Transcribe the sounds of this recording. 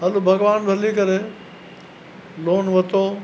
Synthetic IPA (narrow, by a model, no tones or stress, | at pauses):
ɦɐlubʱɐɡʋaːnbʱɐlikɐɾe | loːnʋɐt̪oː